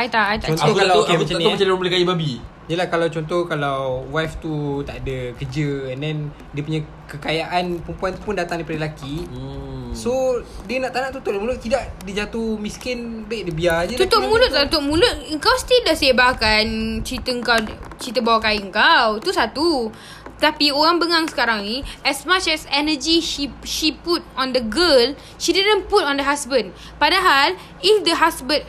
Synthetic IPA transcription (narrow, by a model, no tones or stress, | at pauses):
ajt̪aʔajt̪at͡ʃɔnokalakmanat͡ʃalbləkaibabi | d͡ʒailahkalawt͡ʃɔnt̪ɔhkalawwwaft̪ut̪aʔadəkəd͡ʒəɛndɛn | diəpuɲã | kəkajaʔanpəmpuant̪u̥puʊndat̪aŋdaipadəlaki | sodiənaʔt̪anãʔt̪ut̪ʊʔlmulʊt̪idaʔdid͡ʒat̪uhmiskɪnbedəbiad͡ʒəut̪ʊt̚mũlʊt̪ut̪ʊʔ̚mũlʊt̪̚əŋkawst̪ildasebakant͡ʃit̪əəŋkawt͡ʃit̪əbawakaiəŋkawt̪usat̪u | t̪apioɣaŋbəŋaŋsə̥kaɾaŋniɛsmat͡ʃɛsɛnəd͡ʒiʃiʃiput̚ɔ̃ndəɡəl | ʃididə̃nput̚ɔndəɦasbə̃n | padaɦal | ifdəɦasbət̚